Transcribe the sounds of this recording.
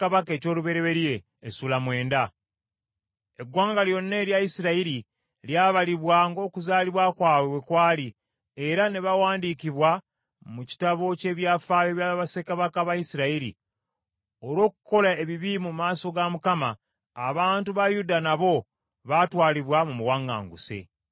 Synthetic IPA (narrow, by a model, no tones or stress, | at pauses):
kaβake̞ːco̞ːluβe̞ɾeβe̞ɾje̞ː | sulamwe̞ːnda | e̞ɡwaːŋɡaljo̞nːe̞ːljajisiɾaiɾi | ljaːβaliβwaŋɡo̞ːkuzaːliβwakwaːwewekwaːli | e̞ɾane̞βawaːndikiβwa | muci̥taβo̞ce̞ːβjaːfaːjoβjaβasekaβakaβajisiɾaiɾḭ | oɾwo̞ːku̥ko̞lae̞βiβimumaːso̞ɡamukamaː | βaːntuβajudanaβo̞ | βatwaːliβwamumuwaŋɡa̰ːŋɡṵse̞̰